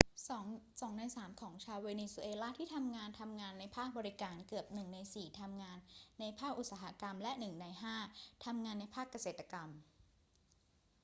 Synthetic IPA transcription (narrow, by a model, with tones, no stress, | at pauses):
sɔː˩˦ŋsɔː˩˦ŋna˧jsaː˩˦mkʰɔː˩˦ŋt͡ɕʰaː˧weː˧niː˧su˧ʔeː˧laː˥˩t̪ʰiː˥˩t̪ʰa˧mŋaː˧nt̪ʰa˧mŋaː˧nːa˧jpʰaː˥˩k̚bɔː˧ɾi˦˥kaː˧nkɯ˨˩əp̚nɯ˨˩ŋna˧jsiː˨˩t̪ʰa˧mŋaː˧nːa˧jpʰaː˥˩k̚ʔu˨˩t̪saː˩˦ɦa˦˥ka˧mlɛ˦˥ʔnɯ˨˩ŋna˧jɦaː˥˩t̪ʰa˧mŋaː˧nːa˧jpʰaː˥˩kːa˧seː˨˩t̪ːa˧ka˧m